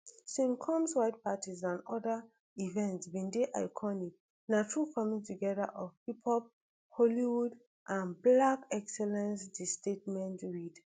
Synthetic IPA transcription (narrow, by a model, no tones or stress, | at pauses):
sĩnkʰɔ̃mswaɪt̚patizãnɔda | ivɛ̃ntsbĩndeʔa̰ɪkʰɔnik | natʰɹukʰɔmĩŋtuɡɛda̰ʔɔvhipʰɔp̚ | holiwud | ʔãnblakɛksɛlɛ̃nsdistet̚mɛ̃ntɹid